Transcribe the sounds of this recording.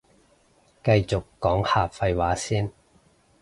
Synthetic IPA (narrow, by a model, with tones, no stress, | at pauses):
kɐ˧jt͡sʊ˨kːɔː˨˥ŋhaː˨˧pfɐ˧jwaː˨˥siː˥n